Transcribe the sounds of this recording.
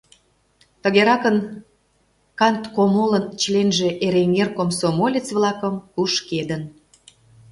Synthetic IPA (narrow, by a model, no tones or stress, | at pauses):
t̪əɣeɾɑkən | kɑnt̪komolənt͡ɕlenʒe̽ʔeɾeŋerkomsomolʲit͡sβlɑkəmkuʃked̪ən